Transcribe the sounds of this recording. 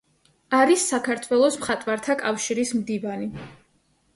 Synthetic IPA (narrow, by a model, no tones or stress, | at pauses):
aɾisːakʰaɾt̪ʰwɛlˠɔsmχat̪ʼwaɾt̪ʰakʼafʃiɾismd̪ivani